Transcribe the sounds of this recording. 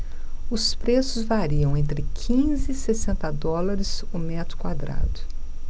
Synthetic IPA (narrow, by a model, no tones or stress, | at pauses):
ʊspɾesʊzvaɾiɐ̃w̃ẽnt̪ɾɪkʰĩzɪːsesẽnt̪ɐd̪ɔlɐɾɪzʊmɛt̪ɾʊ̥kwad̪ɾa̰d̪ʊ